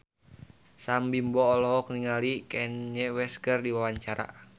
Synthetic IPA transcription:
sambimbɔːlɔɦɔk̚niŋalikɛnɲɛwɛskərdiwawaɲt͡ʃaɾa̰

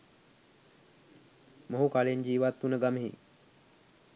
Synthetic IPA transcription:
moɦukaleɲd͡ʒiːʋat̪ːunəɡaməɦḭ

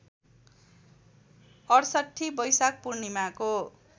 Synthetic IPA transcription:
ʌrsʌʈʰːibʌjsak̚purnimako

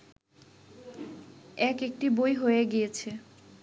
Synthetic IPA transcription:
ɛkek̚ʈibojɦojeɡijet͡ɕʰe

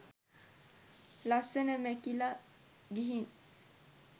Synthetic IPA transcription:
lasənəmækila | ɡiɦin

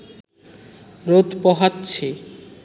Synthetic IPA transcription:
ɾod̪pɔɦat̪ːɕt͡ɕʰe

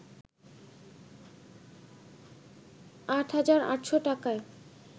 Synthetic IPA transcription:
aʈɦad͡ʑaɾa̰ʈʃoʈakae

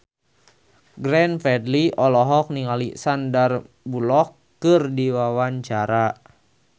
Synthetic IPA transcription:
ɡɾɛnfɛdliʔɔlɔɦɔk̚niŋalḭsandar | bulɔkː | ɨrdiwawaɲt͡ʃaɾa

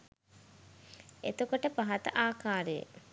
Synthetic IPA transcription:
ḛt̪ukoʈəpaɦat̪əʔaːkaːɾejə̰

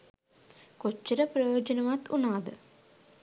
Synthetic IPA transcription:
kot͡ʃːɐɾəprɐjoːd͡ʒɐnɐʋat̪ːunaːd̪ə

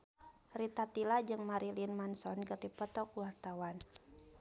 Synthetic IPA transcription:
rit̪at̪ilad͡ʒɨŋmaɾilinmansɔnkɨrdipɔt̪ɔkwart̪awan

